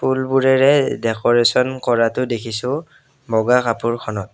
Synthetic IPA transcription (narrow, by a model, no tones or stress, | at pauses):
pulbuɹɛɹɛdɛkɔɹesɔnkɔɹatʊdekʰisʊ̃ | mɔɡakapuɹkʰɔnɔt̚